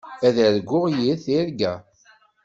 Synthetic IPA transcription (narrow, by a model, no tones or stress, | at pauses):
æðæɾɡʷːʊʁjiθiɾɡæ